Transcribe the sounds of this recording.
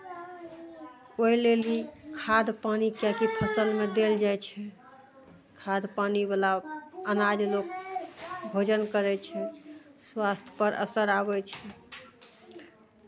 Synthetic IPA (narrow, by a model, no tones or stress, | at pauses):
oilelikʰad̪panikjakipʰəsəlmed̪eld͡ʒajt͡ʃʰɛ | kʰad̪panibalaənad͡ʒlok̚ | bʱod͡ʒənkəɾɛt͡ʃʰɛswast̪ʰjə̥pəɾʔə̰səɾabɛt͡ʃʰɛ